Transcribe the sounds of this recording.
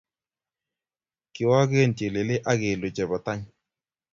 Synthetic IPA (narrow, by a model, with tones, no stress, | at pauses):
kɪ˨wa˦ke˦˨nte˨lɪ˨lɪ˦ʔa˦ɡɪ˨lʊ˨t͡ʃɛ˨ba˨ta˦ɲ